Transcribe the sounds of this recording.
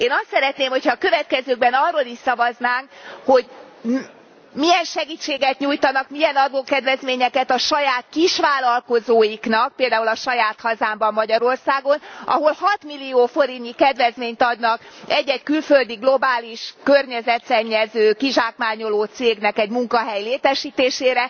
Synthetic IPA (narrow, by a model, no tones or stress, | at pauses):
eːnɒst̪sɛɾɛt̪neːmho̞chɒːkø̞vɛt̪̚kɛzøːɡ̚bɛnɒrːoliʃsɒvɒznaːŋkho̞ɟ | miɛnʃɛɡit͡ʃːeːɡɛt̪ɲujt̪ɒnɒkmijɛnɒd̪oːkɛd̪vɛzmeːɲɛkɛt̪ɒʃɒjaːt̪kiʃʋaːlɒlko̞zoːjiknɒk̚peːld̪aːulɒʃɒjaːt̪hɒzaːmbɒmːɒɟɒɾo̞rsaːɡo̞nɒ̰ɦo̞lhɒt̪milːioːfo̞ɾinikɛd̪ʋɛzmeːɲt̪ɒd̪nɒkɛɟːɛckylføld̪iɡlo̞baːliʃkørɲɛzɛt̪sɛɲːɛzøːkiʒaːkmaːɲo̞loːt̪seːɡnɛkɛɟmuŋkɒɦɛjleːt̪ɛʃiːt̪eːʃeːɾɛ